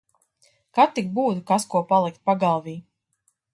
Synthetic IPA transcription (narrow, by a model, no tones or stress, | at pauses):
kat̪ːik̚buːt̪ukaskuɔpalˠikt̪̚paɡalˠviː